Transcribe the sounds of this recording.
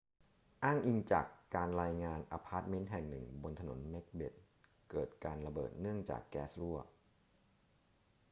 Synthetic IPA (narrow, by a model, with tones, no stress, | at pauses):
ʔaː˥˩ŋʔi˧ŋt͡ɕa̰ː˨˩kːaː˧nɾaː˧jŋaː˧nʔa˧pʰaː˦˥t̪̚me˦˥n̚ɦɛ˨˩ŋnɯ˨˩ŋbo˧nt̪ʰa˧no˩˦nme˦˥k̚bḛ˨˩t̪̚ | kɤː˨˩t̪̚kaː˧nɾa˧bɤ̰ː˨˩t̪̚nɯ˥˩əŋt͡ɕa̰ː˨˩kːɛː˦˥sɾu˥˩ɐ